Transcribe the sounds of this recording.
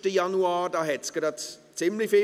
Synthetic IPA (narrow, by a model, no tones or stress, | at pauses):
təjanuaːdaːɦɛtsɡ̥ɾatt͡sɪmlifɪ